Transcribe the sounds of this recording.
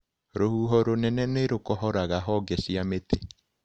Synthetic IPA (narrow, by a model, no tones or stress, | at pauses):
ɾohuːɦɔɾonɛnɛneɾokɔɦɔɾaɣaɦɔɡɛsiametʰe